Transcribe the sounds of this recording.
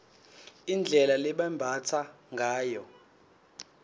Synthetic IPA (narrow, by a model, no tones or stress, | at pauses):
ind͡ɮʱɛlalɛɓambʱat͡sʰa | ŋɡʱaːjɔ